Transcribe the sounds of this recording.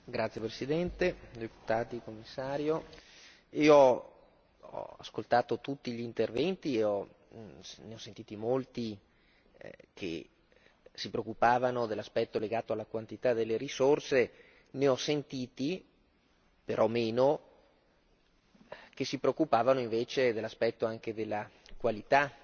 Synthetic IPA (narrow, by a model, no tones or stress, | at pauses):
ɡɾat̪sːjepɾesid̪ɛnt̪ed̪epu̥t̪aːt̪ikomːisːaːɾjo | iːoɔ | ɔ̰a̰skolt̪aːt̪ot̪ut̪ːiʎiːnt̪ervɛnt̪ieɔ | neɔsːent̪iːt̪imolt̪i | kʰḛ | sipɾeokːupaːvanod̪elːaspɛt̪ːoleɡaːt̪oalːakwant̪it̪ad̪elːeɾisorse | neɔsent̪iːt̪i | peɾʔɔmeːno | k̟esːipɾeokːupaːvanoiɱveːt͡ʃed̪elːaspɛt̪ːoaŋked̪elːakwalit̪a